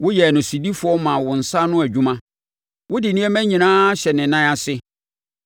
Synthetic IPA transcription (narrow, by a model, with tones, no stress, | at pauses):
wʊ˦jɛ˨nʊ̃˨si˨di˦fʊ˨˦ɔ˦mã˨wʊ̃˨n̩˨sa˦nʊ̃˦æ˨d͡ʑᶣu˦mã˦ | wʊ˦dɪ˨nĩ˦ɛ˦mæ̃˦ɲĩ˨nãː˦ɕɛ˨nɪ̃˨nã˦a˨sɪ˦